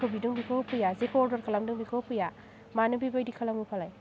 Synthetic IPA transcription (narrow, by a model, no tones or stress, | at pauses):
kʰobiduŋbikʰopʰujazekʰɔldaɾkʰɐlamduŋbikʰopʰuja | manubibajdikʰalamupʰalaj